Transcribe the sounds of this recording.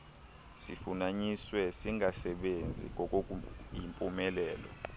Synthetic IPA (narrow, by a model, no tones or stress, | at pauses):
sḭfunaɲiswɛsiŋasɛɓend͡zʱḭŋɔkʼokʼujimpʼumɛlɛːlɔ̰